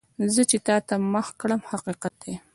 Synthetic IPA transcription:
zət͡ʃet̪ɑt̪aməxkɽəmhaqiqat̪̚d̪e

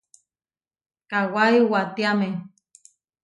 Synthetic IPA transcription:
kawaiwat̪iame

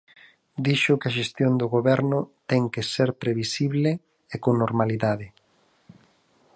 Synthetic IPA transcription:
d̪iʃʊkɐʃest̪jond̪ʊɣoβɛɾnʊt̪ɛŋkeseɾpɾeβisiβle | ekoŋnoɾmaliðaðɪ

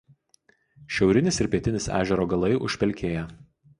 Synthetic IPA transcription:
ʃʲɛʊɾʲɪnʲɪsɪɾʲpʲiɛt̪ʲɪnʲɪsæ̰ːʒʲɛɾoːɡɐlˠɐɪʔʊ̰ʃʲpʲɛlʲkʲeːjɛ

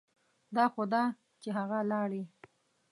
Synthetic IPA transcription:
d̪ɑxod̪ɑ | t͡ʃeɦaɣalɑɽi

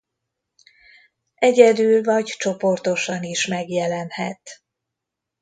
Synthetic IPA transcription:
ʔɛɟɛd̪ylvɒɟt͡ʃo̞po̞rt̪o̞ʃɒniʃmɛɡjɛlɛnhɛt̪

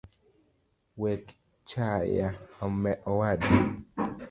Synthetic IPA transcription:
wɛk | t͡ʃajaɔmɛʔɔwad

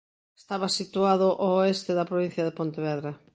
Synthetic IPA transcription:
est̪aβɐsit̪uaðʊʔooest̪eðɐpɾoβin̟θjɐðepont̪eβɛðɾɐ

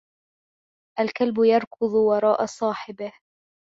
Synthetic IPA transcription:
ʔalkalbʊjɑɾˤkʊðˤwɑɾˤɑːʔɑsˤɑːħɪbɪh

